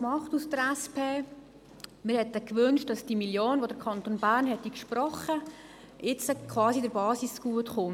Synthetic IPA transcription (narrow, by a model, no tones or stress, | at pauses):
mɑχtusd̥əɾɛspʰeː | mɪɾhɛtːəkʋʏnʃt̚d̥ɑsd̥imiljoːnʋodəɾkʰɑnt̪oːnbæːɾrnhɛtːikʃpɾɔχə | ɪt͡səkʰvɑːsidəɾbɑːsisɡ̥uətχʊn